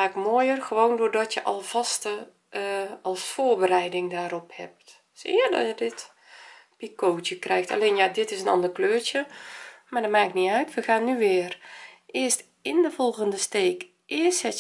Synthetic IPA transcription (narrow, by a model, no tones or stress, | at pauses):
aːkmoːjərɣəʋoːndoːrdɔtjəʔɑ̰lˠv̥ɑstə | ɑlˠsfoːrbəɾɛjdɪŋdaːɾɔphɛ̰p̚t | sɪədɔ̰jədɪt | pikowtjəkrɛjxta̰leːnjadɪtɪsənɑ̰ndərkløːɹtjəmaːdɔtmaːkniœɥtʋəɣaːnːyʋɪːrʔɪəst | ɪndəvɔlˠɣəndəsteːk | ʔɪsɛ